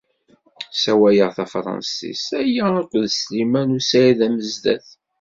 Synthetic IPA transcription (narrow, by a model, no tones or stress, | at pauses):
sæwæjəʁθæfɾˤɑ̰nsḭsæjænəqʷːðslimænusæjæðæməzd̪æ̰θ